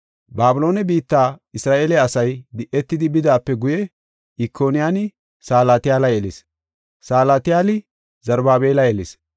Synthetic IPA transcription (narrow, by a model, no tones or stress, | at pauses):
baːbɪlo̞ːnɛbiːt̪ːaːɪsɾaːʔeːlɛɐsɐjd̪ɪʔɛt̪ːɪd̪ɪbɪd̪aːpːɛɡʊjɛ | ɪkʰːoːnɪjaːnɪ | saːlaːt̪ɪjaːlɐjɛlɪs | saːlaːt̪ɪjaːlɪ | zɐɾbaːbe̞ːlɐjɛlɪs